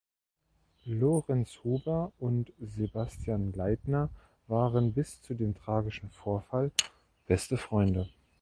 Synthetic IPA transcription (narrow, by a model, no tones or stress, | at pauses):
loːʁɛnshuːbɐʊntzebastʰjaːnlaɪtnɐ | vaːʁənbɪst͡sudeːmtʁ̥aːɡɪʃn̩foːɐfal | b̥ɛstəfʁ̥ɔʏndə